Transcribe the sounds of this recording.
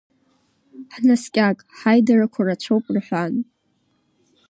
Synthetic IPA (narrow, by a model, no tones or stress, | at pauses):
ħnaskʲʼakʼħajdarakʷʰarat͡ʃʷʰowpʼrħʷan